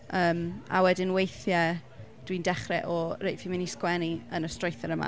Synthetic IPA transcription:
əːma̰wɛdɪnwejθjɛ | d̥windɛχrɛʔɔrejfimɪniskwɛniənəstrojθɛɾəma̰

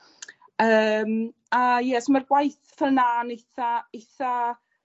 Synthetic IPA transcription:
əːm | ajɛsmarɡwajθfɛlˠnaːnejθaejθa

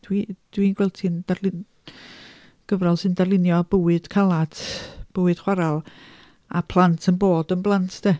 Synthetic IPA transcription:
d̥wid̥winɡwɛlˠtʰindarl | ɡ̥əvrɔlˠsɨndarlˠɪnjɔbəwɨd̥kʰalˠadb̥əwɨd̥χwaɾalˠ | apʰlˠantʰənboːdənblˠantʰd̥e

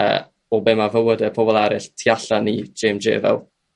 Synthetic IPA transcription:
ə̰ | ɔbeːmavəwədɛpʰɔbɔlˠɛɾɪɬtʰiaɬanid͡ʒemd͡ʒḛːvɛ̰lˠ

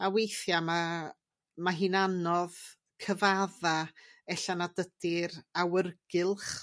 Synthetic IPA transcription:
awejθjama | maɦiːnanɔð | kʰəvaðaɛɬanadəd̥ɪɾawərɡ̥ɪlˠχ

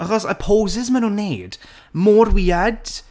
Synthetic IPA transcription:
əχɔsə̰pʰoːzɪzmənũnːeːd̥ | moːrwiːad̥

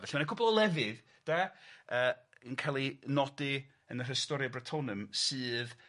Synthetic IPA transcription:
vɛɬmanakʰʊblˠɔlˠɛvɪð | d̥aəː | ənkʰalˠinɔdɪ | ənər̥əstɔɾjɔbratʰɔnəmsɨːð

